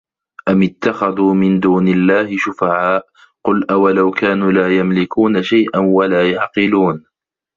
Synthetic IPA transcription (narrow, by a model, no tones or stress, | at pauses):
ʔamɪt̪ːaxaðuːmɪnd̪uːnɪlːaːhɪʃʊfaʕaːʔ | qʊlʔawalawkaːnuːlaːjamlɪkuːnaʃajʔanwalaːjaʕqɨluːn